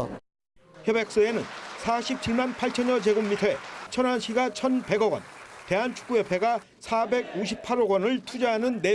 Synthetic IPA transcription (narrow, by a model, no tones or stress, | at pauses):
çjʌbek̚s͈ʌenɯnsʰaɕʰip̚t͡ɕʰiɭmanpʰaɭt͡ɕʰʌɲʌt͡ɕe̞ɡumːitʰʌet͡ɕʰʌnɦanɕʰiɡat͡ɕʰʌnpe̞ɡʌɡwʌ̰nte̞ɦant͡ɕʰu̥k͈ujʌpʰe̞ɡa | sʰabe̞ɡ̚uɕ̬ʰip̚pʰaɾoɡwʌnɯɭtʰud͡ʑaɦanɯnːe